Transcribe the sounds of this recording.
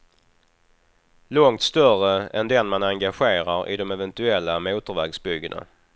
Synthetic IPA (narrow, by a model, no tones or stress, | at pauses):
lɔŋt̪st̪œrəɛnd̪ɛnmanaŋɡaɧeːɾaɾɪ̰d̪ɔmɛvɛnt̪ɵɛlːamuːt̪əɾvæːɡsbʏɡːəna̰